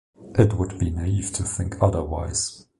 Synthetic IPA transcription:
ʔɨt̚wəd̚binaiv̥tʰɨθɪ̃ŋkʰʌðə˞wa̰ɪz̥

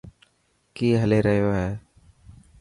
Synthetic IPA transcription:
kiːɦəleːɾəɦɪjoːɦɛː

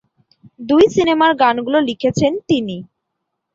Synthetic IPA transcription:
d̪ujsinemaɾɡanɡulolikʰet͡ɕʰent̪ini

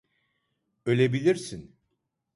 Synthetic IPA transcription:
ølʲebilʲiɾsin

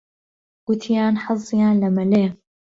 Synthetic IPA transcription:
ɡ̥ʊt̪ʰijaːnħɨzˤijaːnlɐmɐleː

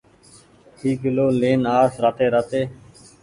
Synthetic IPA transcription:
hiːɡɪloːleːnaːsɾaːt̪eːɾaːt̪eː

